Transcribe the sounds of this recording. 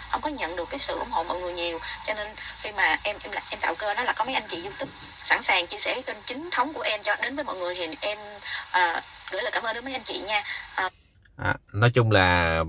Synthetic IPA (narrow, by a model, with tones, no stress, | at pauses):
hə˧wŋ͡mkɔ˨˦ɲə̰˧˨nɗɨ˨˩əkːaː˨˦jsɨ̰˧˨ʔʊ̰˧˩ŋ͡mho̰˧˨mɔ̰ː˧˨jŋɨ˨˩əjɲi˨˩əwt͡ɕɔ˧ne˧nxi˧maː˨˩ʔɛ˧mʔɛ˧m˨ʔɛ˧mt̪a̰ː˧˨wkəː˧nɔ˨˦la˨˩kɔ˨˦mə˨˦jʔa˧jŋ̟t͡ɕḭ˧˨zu˧t̪i˦˥k̚ | sa˧˩nsaː˨˩ŋt͡ɕḭ˧˥sɛ̰˧˩t͡ɕe˧nt͡ɕï˨˦ŋ̟t̪ʰə˨˦wŋ͡mku˧˩əʔɛ˧mt͡ɕɔ˧ɗe˨˦nvəː˨˦jmɔ̰˧˨jŋɨ˨˩əjhi˨˩ʔɛ˧mʔəː˨˩ɣjlaː˨˩kaː˨˦mə˧ɗɨ˨˦m˨˦jʔa˧ŋ̟t͡ɕḭ˧˨ɲaː˧ʔəː˨˩ | ʔaː˨˩nɔ˨˦jt͡ɕʊ˧ŋ͡mlaː˨˩